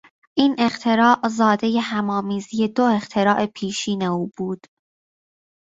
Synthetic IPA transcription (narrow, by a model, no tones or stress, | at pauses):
ʔiːnʔe̞χt̪ʰe̞ɾɒːʔzɒːd̪e̞jeɦæmɒːmiːzije̞d̪oe̞χt̪ʰe̞ɾɒːʔe̞pʰiːʃiːne̞uːbuːd̪̥